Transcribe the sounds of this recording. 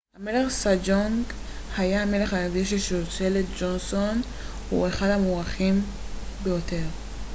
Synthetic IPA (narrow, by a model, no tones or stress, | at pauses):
hame̞le̞χsad͡ʒoŋɡ | hajame̞leχanaɡiʃeʃeot͡seletd͡ʒonso̞n | hueχadhamuʁaχim | bejo̞te̞ʁ